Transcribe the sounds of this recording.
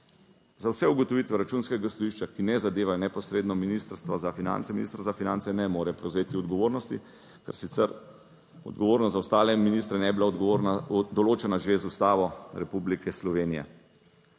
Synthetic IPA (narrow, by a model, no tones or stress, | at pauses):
zawsɛuɡɔt̪ɔʋit̪ʋɛɾat͡ʃuːnskɛɡast̪ɔʋiʃt͡ʃakinɛzad̪eːʋajɔnɛpɔsɾeːd̪nɔminist̪əɾst̪ʋazafina̰nt̪sɛminḭst̪ɾazafinant̪sɛnɛmoːɾɛpɾɛwzeːt̪iɔd̪ɡɔʋoːɾnɔst̪i | kɛ̰ɾsit̪sɛɾ | ɔ̰d̪̚ɡɔʋoːɾnɔst̪zawst̪aːlɛminist̪ɾɛnɛbilaad̪ɔloːt͡ʃɛnaʒezust̪aːʋɔɾɛpublikʰɛslɔʋeːnijɛ̰